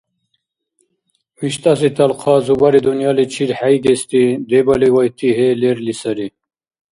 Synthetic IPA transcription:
wiɕt̪asit̪ɐlqʰɑːzubaɾid̪unjɑlit͡ɕʰiɾħajɡest̪id̪ebaliwajt̪ʰiɦeleɾlisɐɾi

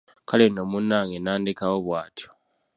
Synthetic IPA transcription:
kalenomunːaːŋenaːndikawoβwaːtʰjo̥

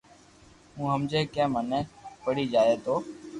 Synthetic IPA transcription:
ũːɦəmd͡ʒeːkẽːmənẽːpəɽiːd͡ʒaːeːt̪oː

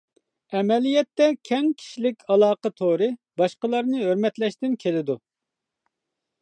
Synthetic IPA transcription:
ɛmɛlijɛt̪ːɛkʲʰɛŋkʲʰi̥ʃilɪkʲʰɑlˠɑːqət̪ʰoɾɨ | bɑʃqəlˠɑɾnɨɦøɾmɛt̪lɛʃt̪ɪnkʲʰelɪd̪u

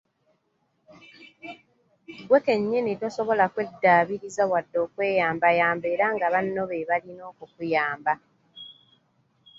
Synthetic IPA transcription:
ɡweke̞ɲːenito̞so̞βo̞lakwe̞dːaːβiɾizaβwadːo̞ːkwe̞ːjaːmbajaːmbe̞ːɾaŋɡaβanːo̞βeβalino̞ːkukujaːmba

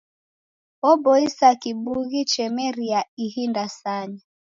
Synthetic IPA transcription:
ɔbɔisakibuɣit͡ʃɛmɛɾiaihindasaɲi

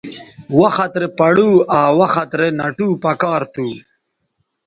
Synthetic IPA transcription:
waxat̪ɾepɐɽuaːwaxat̪ɾenaʈupakɑːɾt̪u

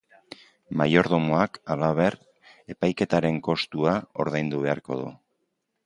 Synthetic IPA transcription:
majo̞ɾðo̞moakalaβ̞e̞ɾ | e̞pajke̞t̪aɾe̞ŋko̞st̪uao̞̰ɾðajnd̪uβe̞a̰ɾko̞̰ðṵ

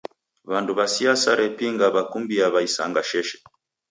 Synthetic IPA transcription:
βanduβasiasaɾɛpiŋɡaβakumbiaβaisa̰ŋɡaʃɛʃɛ̥

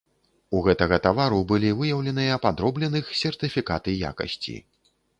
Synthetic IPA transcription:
uɣɛt̪ɐɣɐt̪avaɾubɨlʲivɨjɐwlʲɛnɨjɐpad̪ɾɔblʲɛnɨxsʲɛrt̪ɨfʲikat̪ɨja̰kɐ̰sʲt͡sʲḭ

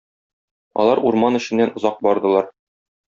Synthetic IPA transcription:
ɒ̰lˠɑɾuɾmɑnɘ̆ɕɘ̆nːænŏzɑq̚bɒɾd̪ɤ̆lˠɑɾ

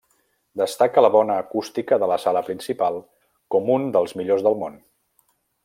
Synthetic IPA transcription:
d̪əst̪akələβɔnəːkust̪ikəðələsaləpɾinsipalˠ | kɔmund̪əlˠzmiʎozðəlˠmon

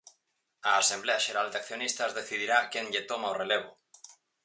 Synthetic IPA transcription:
aːsembleaʃe̞ɾald̪eakθjonist̪azðe̞θiðiɾakeŋʎet̪omaoreleβ̞o

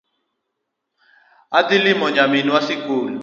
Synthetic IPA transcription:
adilimɔɲaminiwasikuːlu

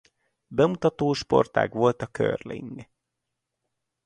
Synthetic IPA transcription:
bɛmut̪ɒt̪oːʃpo̞̰rt̪a̰ːɡʋo̞lt̪ɒkø̰rlḭŋɡ

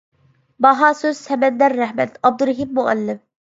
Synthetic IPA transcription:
bɑɦɑːsøz̥sɛmɛnd̪ɛɾːæhmɛt̪ɑb̚d̪uɾɦimːuæ̰lːɪm

